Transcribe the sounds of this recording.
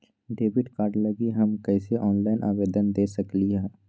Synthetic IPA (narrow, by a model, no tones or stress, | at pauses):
ɖeːbɪʈkaːɾɖlɐɡiɦɐmkɛːseʔɔːnlaːɪnʔa̰ːʋeːd̪ənd̪eːsɐkliɦɛː